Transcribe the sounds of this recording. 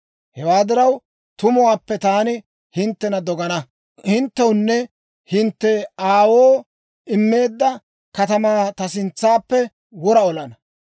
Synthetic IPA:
hɛwaːd̪ɪɾɐw | t̪ʊmʊwaːpːɛt̪aːnɪ | hɪnt̪ːɛnɐd̪ɔɡɐnɐ | hɪnt̪ːɛwʊnːɛ | hɪnt̪ːɛaːwoː | ɪmːe̞ːd̪ːɐ | kɐt̪ɐmaːt̪ɐs̬ɪnt͡sːaːpːɛ | wɔɾɐɔlɐnɐ

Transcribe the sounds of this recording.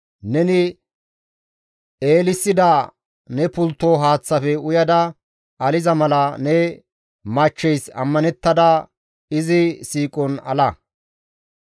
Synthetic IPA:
nɛnɪ | eːlɪsːɪd̪ɐ | nɛpʊlt̪ːoːɦaːt͡sːɐfɛʊjɐd̪ɐ | ɐlɪzɐmɐlɐnɛ | mɐt͡ʃːɛjsɐ̰mːɐnɛt̪ːɐd̪ɐ | ɪzɪsiːkʼɔnɐ̰lɐ

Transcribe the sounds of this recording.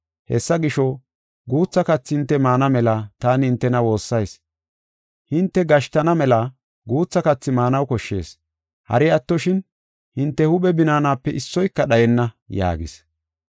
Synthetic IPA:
hɛ̰sːɐɡɪʃɔ | ɡuːt͡sːɐkɐt͡sːɪhɪnt̪ːɛmaːnɐmɛlɐt̪aːnhɪnt̪ːɛnɐwo̞ːsːɐjs | hɪnt̪ːɛɡɐʃt̪ɐnɐmɛlɐ | ɡuːt͡sːɐkɐt͡sːɪmaːnɐwkɔʃːe̞̰ːs | hɐ̰ɾɪɐt̪ːɔʃɪn | hɪnt̪ːɛhʊɓɛbɪnaːnaːpːɛʔɪsːɔjkːɐɗɐjɛnːɐ | ja̰ːɡɪ̰s

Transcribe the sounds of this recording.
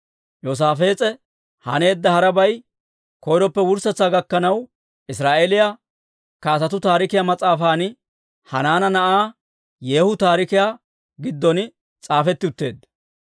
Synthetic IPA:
joːs̬aːfe̞ːt͡sʼɛ | hɐ̰ne̞ːd̪ːɐhɐɾɐbɐj | kɔjɾɔpːɛwʊɾsɐt͡sːaːɡɐkːɐnɐw | ʔɪsɾaːʔelɪja | kaːsɐt̪ʊt̪aːɾɪkɪjamɐt͡sʼaːfaːnɪ | hɐnaːnɐnɐʔaː | jeːhʊt̪aːɾɪkɪjaː | ɡɪd̪ːɔn | t͡sʼaːfɛt̪ːɪʊt̪ːe̞ːd̪ɐ

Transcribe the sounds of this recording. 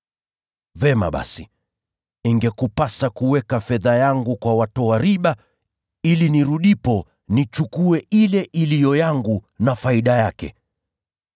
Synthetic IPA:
vɛma̰ɓa̰si | iŋɡɛkupasakuwɛkafɛðajaŋɡukwawatɔaɾiɓa | iliniɾuɗipɔ | nit͡ʃukuɛʔilɛʔilijɔjaŋɡunafaiɗajakɛ̰

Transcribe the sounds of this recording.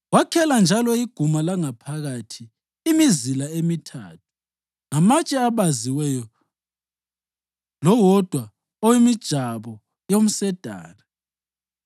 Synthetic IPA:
wakʰɛland͡ʒʱalɔiɡ̥ʱumalaŋapʰaɣatʰiː | mizilaemitʰa̰ːt̚ʰu̥ | ŋamat͡ʃʼɛaβaziwɛjɔ | lɔwɔd̥ʱwa | ɔwimid̥ʒ̥ʱaβɔ | jom̩sɛd̥ʱa̰ːri

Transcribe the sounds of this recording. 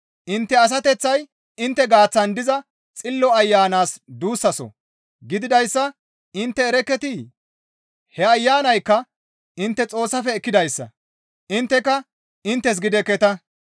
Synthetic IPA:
ʔɪnt̪ːɛɐs̬ɐt̪ɛt͡sːɐj | ɪnt̪ːɛɡaːt͡sːɐnd̪ɪzɐ | t͡sʼɪlːɔɐjːaːnaːsd̪uːsːɐsɔ̰ | ɡɪd̪ɪd̪ɐjsːɐ | ɪnt̪ːɛːɾɛkːɛt̪i | hɛɐjːaːnɐjkːɐ | ɪnt̪ːɛt͡sʼo̞ːsːɐfɛːkːɪd̪ɐjsːɐ̰ | ɪnt̪ːɛkɐ | ɪnt̪ːɛs̬ɡɪd̪ɛkːɛt̪ɐ

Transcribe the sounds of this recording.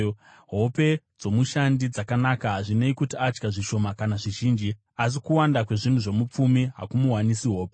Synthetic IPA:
ɦo̞pe̞ | d͡zo̞muʃandid͡zakanakaɦaʐineikutiad͡ʒɡaʐiʃo̞makanaʐiʒiːnd͡ʒi | as̬ikuwandakwe̞ʐin̤uʐe̞mup͡fumiɦa̰kumuɦwanisiɦo̞ːpe

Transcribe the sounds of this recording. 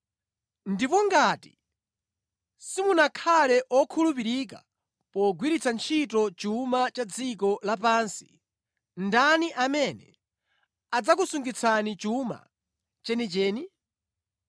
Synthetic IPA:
ndipɔŋɡaːti̥̰ | simunakʰalɛʔɔkʰulup̬iɾik̬a̰ | pɔɡwiɾit͡sʰant͡ʃʰit̬ɔt͡ʃumat͡ʃad͡zikɔlapansi̥ | ndaniʔamɛnɛ̰ | ad͡zak̬usuŋɡit͡sʰanit͡ʃuma̰ | t͡ʃɛnit͡ʃɛːni

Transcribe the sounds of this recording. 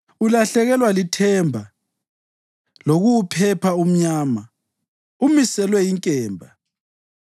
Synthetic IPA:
ulaɬɛɣɛlwalitʰɛmbʱa | loɣuwpʰɛpʰaum̩ɲaːma | umisɛlwɛiŋkʼɛːmbʱa

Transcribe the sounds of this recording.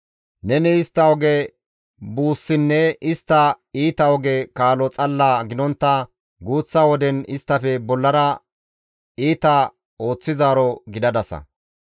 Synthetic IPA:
nɛnɪɪst̪ːɐwɔɡɛ | buːsːɪnːɛɪst̪ːɐ | iːt̪ɐwɔɡɛkaːlɔt͡sʼɐlːaːɡɪnɔnt̪ːɐ | ɡuːt͡sːaːwɔd̪ɛnɪst̪ːɐfɛbɔlːɐɾɐ | iːt̪ɐ | o̞ːt͡sːɪzaːɾɔɡɪd̪ɐd̪ɐsɐ̰

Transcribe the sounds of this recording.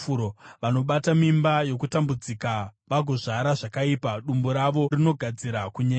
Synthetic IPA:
uɾoʋano̞ɓatamimbajo̞kutambud͡zikaʋaɡʱoʐaɾaʐakaipaɗumboɾaʋo̞rino̞ɡʱad͡ziɾakuɲe

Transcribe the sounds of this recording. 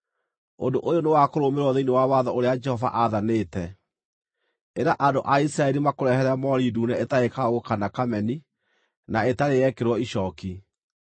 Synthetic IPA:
ondoʔojonewakoɾomeɾwɔðeinewawaðɔoɾead͡ʒɛhɔva̰ʔaðaneːtɛ | eɾaʔadoʔaisɾaɛɾimakoɾɛhɛɾɛmɔɾiːduːnɛetaekaɣokanakamɛni | naetaɾejɛkeɾwɔiʃɔki

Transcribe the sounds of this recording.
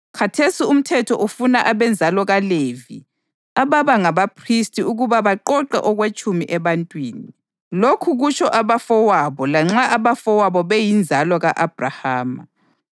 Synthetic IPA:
kʰatʰesium̩tʰɛtʰɔʔufunaʔaβɛnd͡zʱalɔɣalevi | aβaβaŋaβapʰristʼiuɣuβaβaǃɔǃɛ̰ʔɔɣwet͡ʃʼumiʔɛβantʼwiːni | lokʰuɣut͡ʃʰɔʔaβafɔwaβɔlaŋ͡ǁaʔaβafɔwaβɔβejind͡zʱalɔɣaʔab̥ʱrahaːma̰

